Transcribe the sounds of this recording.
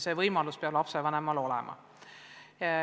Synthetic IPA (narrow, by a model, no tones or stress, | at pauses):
sevɤjmɑluspeɑblɑpsevænæmɑlo̞lɛ̰mʔɑ̰